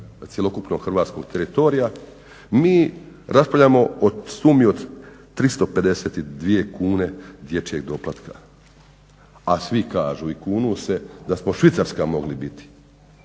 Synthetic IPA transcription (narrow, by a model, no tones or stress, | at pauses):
t̪sje̞lo̞kupno̞ɡ̥xr̩ʋaːt̪sko̞ɡ̚t̪e̞ɾit̪o̞ɾija | miː | ɾaspavʎaːmo̞osuːmiod̪t̪ːɾist̪o̞pe̞d̪ese̞ːt̪id̪ʋije̞kuːne̞d̪je̞t͡ʃje̞ɡd̪o̞plˠat̪ka̰ | asʋikaːʒuːikuːnuse̞d̪asmo̞ʃʋit̪saɾskamo̞ɡlibit̪i̥